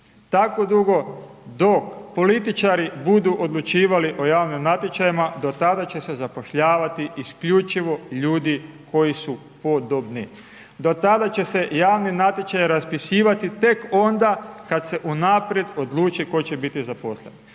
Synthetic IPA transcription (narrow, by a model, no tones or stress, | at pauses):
t̪akod̪uɡo̞d̪o̞kpo̞lit̪it͡ʃaɾibud̪uʔo̞d̪lut͡ʃiːʋaliʔo̞jaːʋnimnat̪jet͡ʃajimad̪o̞t̪ad̪at͡ɕe̞se̞zapo̞ʃʎaːʋat̪iiskʎut͡ʃiʋo̞ʎuːd̪iko̞jisu | po̞d̪obni | d̪o̞t̪ad̪at͡ɕe̞se̞jaːʋninat̪jet͡ʃajɾaspisiːʋat̪it̪e̞ko̞nd̪akad̪se̞ʔunaːpɾje̞d̪o̞d̪lˠuːt͡ʃiko̞t͡ɕebit̪izapo̞slḛni